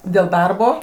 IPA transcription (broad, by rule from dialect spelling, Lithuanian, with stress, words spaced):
dʲeːlˠ ˈdɐrboː